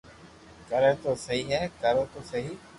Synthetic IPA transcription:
kəɾeːt̪oːsəɦiːɦɛːkəɾẽːt̪oːsəɦiː

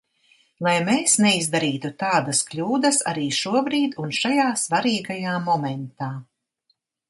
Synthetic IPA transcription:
lˠajmeːsnɛizd̪aɾiːt̪ut̪aːd̪asklʲuːd̪ɐsa̰ɾiːʃuɔbɾiːd̪unʃajaːsvaɾiːɡajaːmɔmɛnt̪aː

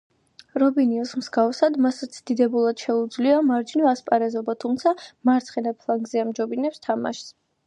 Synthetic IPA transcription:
ɾɔbiniɔsmsɡafsad̪masɛt̪sʰd̪id̪ɛbulˠad̪̥ʃɛud̪zliamaɾd͡ʒinɔaspʼaɾɛzɔbat̪ʰumt̪sʰamaɾt̪sʰχɛnɛpʰlˠaŋɡzɛamd͡ʒɔbinɛpst̪ʰama̰ʃs

